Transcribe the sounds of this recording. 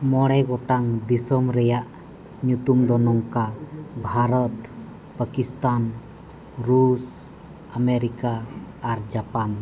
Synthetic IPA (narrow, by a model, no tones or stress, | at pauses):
mɔɽɛɡɔʈaŋd̪isɔmɾɛjaʔ | ɲut̪umd̪ɔnɔŋkabʱaɾɔt̪ | pəkist̪an | ɾus | ameɾikaː | ɾd͡ʒapan